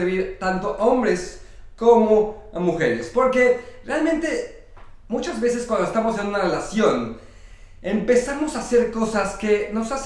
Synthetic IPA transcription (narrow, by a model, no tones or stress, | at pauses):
ɾβiɾt̪ant̪o̞ʔo̞mbɾe̞s | ko̞mo̞muxe̞ɾespo̞ɾke̞realmẽnt̪e̞ | mut͡ʃazβe̞se̞skwand̪oest̪amose̞nũnare̞lasjo̞n | empe̞samo̞sase̞ɾko̞saske̞no̞sas